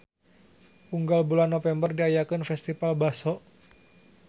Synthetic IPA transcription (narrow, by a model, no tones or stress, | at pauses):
uŋɡalbulanːofɛmbərdiajakənfɛst̪ifalbasɔʔ